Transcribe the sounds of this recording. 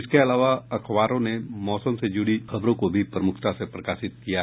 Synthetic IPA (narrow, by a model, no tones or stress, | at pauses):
ɪskeɐlaːʋaɐkʰʋaːɾõnemɔːsəmsed͡ʒuɽixɐbɾõkobʱipɾɐmʊkʰt̪asepɾɐkaːʃɪt̪̚kija